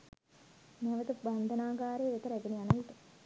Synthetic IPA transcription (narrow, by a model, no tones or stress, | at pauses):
nʋət̪əband̪ənaːɡaːɾeːʋet̪əɾæɡenianəʋit̪ə